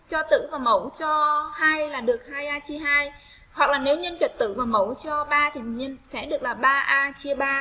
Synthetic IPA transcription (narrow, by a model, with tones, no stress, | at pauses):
t͡ɕɔ˧t̪ɨ̰˧˥vaː˨˩mə˧˩wt͡ɕɔ˧haː˧jlaː˨˩ɗɨ˨˩ək̚haː˧jʔaː˧t͡ɕi˧ɦaː˧j | hwa˨˩k̚laː˨˩ne˨˦wɲə˧nt͡ɕə˨˩t̚t̪ɨ̰˧˥vaː˨˩mə˧˩wt͡ɕɔ˧ɓaː˧t̪ʰi˨˩ɲə˧nsɛ̰˧˥ɗɨ˨˩ək̚laː˨˩ɓaː˧ʔaː˧t͡ɕi˧əɓaː˧